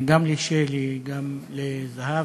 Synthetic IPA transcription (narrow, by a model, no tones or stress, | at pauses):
ɡamliʃeliɡamlezaha